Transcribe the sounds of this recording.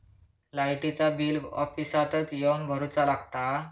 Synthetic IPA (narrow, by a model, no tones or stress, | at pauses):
lajʈit͡sabiːlɔ̰fisat̪ət͡sjewnbʱəɾot͡salaɡt̪a